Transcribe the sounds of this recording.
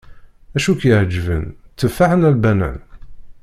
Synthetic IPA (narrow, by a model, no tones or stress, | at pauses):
æʃukjəʕd͡ʒəvə̰nt͡s̪ːəfːaħənælbænæ̰n